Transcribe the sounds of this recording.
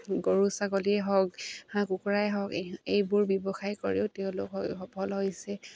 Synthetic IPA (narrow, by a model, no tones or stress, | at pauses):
ɡoɹusakɔliɛɦɔkhãkukuɹajɦɔɡejbʊɹbɔbɔxajko̰ɹḭʊteʊ̃lʊ̰kɦɔxɔpʰɔlɦojsɛ